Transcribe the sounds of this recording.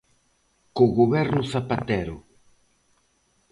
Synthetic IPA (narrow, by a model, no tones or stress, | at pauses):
koɣoβɛɾnʊθapat̪ɛɾʊ